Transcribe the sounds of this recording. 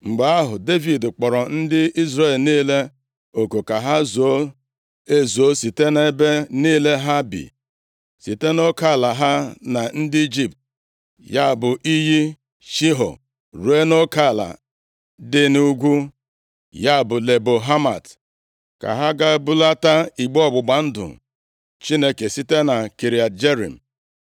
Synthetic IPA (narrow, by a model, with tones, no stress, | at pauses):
ŋ͡m̩˨ɡ͡ba˨a˦ɦʊ˨de˦vi˨dk͡pɔ˨ɾɔ˨n̩˦dɪ˦i˦zɾe˦˨lniː˦le˦ | o˨ko˨ka˨ɦa˦zoo˦ | e˦zo˦si˨te˦ne˦be˦niː˦le˦ɦa˦bḭ˨ | si˨te˦no˦ka˦˨la˨ɦa˦na˨n̩˦di˦d͡ʒi˦p̚t | ja˦˨bʊ˨ʔi˦ɦi˦ | ʃi˦ɦɔ̰˨ | ɾu˨e˦no˦ka˦˨la̰˨ | dɪ˦nu˦u˦ɡʷu˦ | ja˦˨bʊ˨le˨bo˨ɦa˦ma̰˨t | ka̰˨ɦa˦ɡa˦bu˦la˦ta˦i˨ɡ͡bɔ˦ɡ͡bʊ˨ɡ͡ba˨n̩˦dʊ̰˨ | t͡ʃi˦ne˦ke˨si˦te˦na˨ki˨ɾi˨a˨td͡ʒe˦ɾḭ˨m̩˨